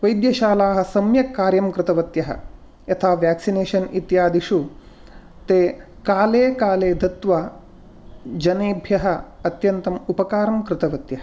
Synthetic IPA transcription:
ʋɐjd̪jɐʃaːlaːɦɐ̆sɐmjɐkːaːɾjɐmkɾɪt̪ɐʋɐt̪jɐɦɐ̰ | jɐt̪ʰaːʋjæːksineːʃɐnit̪jaːd̪iʂu | t̪eː | kaːleːkaːleːd̪ʱɐt̪ʋɐ | d͡ʒɐneːbʱjɐɦɐ̆ɐt̪jɐnt̪ɐmupɐkaːɾɐmkɾɪt̪ɐʋɐt̪jɐɦɐ

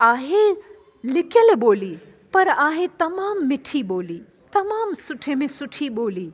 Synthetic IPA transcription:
aːɦe | lɪkeleboːli | pɐɾaːɦet̪ɐmaːmːɪʈʰiboːli | t̪ɐmaːmsʊʈʰemẽsʊʈʰiboːliː

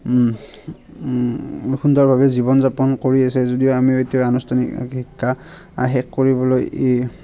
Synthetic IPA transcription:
xundɔɹbʱabɛzibɔnzapɔnkoɹiasɛzodijoamietiɔanustʰanḭkhikʰːa | a̰ɦɛkkoɹibɔloje

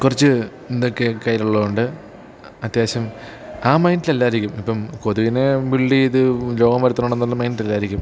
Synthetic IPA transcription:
kurɐt͡ɕːɨ | ind̪okːe̞kɐjiluɭːɐðuɳɖɨ | ɐt̪jaːɕɐm | aːmɐjnʈilelːaːiɾikʲːumipːɐmkoðuɣinebiɭːiiðɨlo̞ːɡɐmʋɐɾɐt̪ːunoɳenːɐlːɨmɐjndilɐlːaːiɾikʲːum

